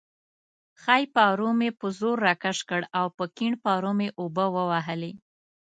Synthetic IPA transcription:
xajpɑɾomepəzoɾːakaʂkəɽawpəkiɳpɑɾomeʔobəwəwaɦəle

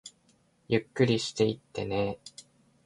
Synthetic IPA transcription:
jɯkːɯɾʲiɕi̥t̪e̞it̪ːe̞̰ne

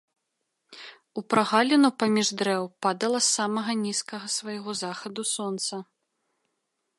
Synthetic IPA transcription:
upɾaɣalʲinupamʲiʐd̪ɾɛwpad̪ɐlˠɐsːamɐɣɐnʲiskɐɣɐsvɐjɣɔzaxɐd̪usɔnt̪sɐ

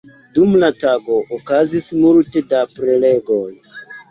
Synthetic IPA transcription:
dumlataɡo̞ʔːkazismultedapɾeleɡon

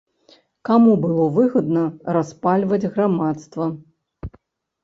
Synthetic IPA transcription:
kamubɨlˠɔvɨɣɐd̪nɐɾaspalʲvɐd͡zʲɣɾamat̪st̪vɐ

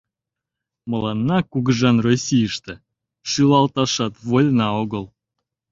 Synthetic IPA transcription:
mɤ̆lˠɑnːɑkuɣɡəʒɑnrosʲijəʃt̪ĕ | ʃylɑlˠt̪ɑʃɑt̪βolʲnɑoɣəlˠ

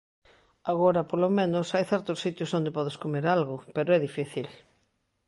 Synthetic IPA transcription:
aɣoɾɐpolomẽnʊsajθɛɾt̪osːit̪jʊsond̪epɔðeskomeɾalɣʊpeɾoɛðifiθil

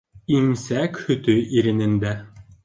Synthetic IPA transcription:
imsækhɵ̆t̪ɵʔiɾɘ̆nɘ̆nd̪æ

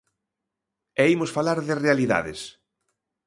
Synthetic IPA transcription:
ɛimosfalaɾðɪrealiða̰ðɪ̰s

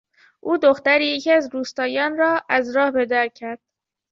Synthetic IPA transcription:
ʔuːd̪oxt̪æɾiːjecʰæzɾuːst̪ɒːjɒːnɾɒːʔæzɾɒːhbed̪æɾcʰæɾd̪̥

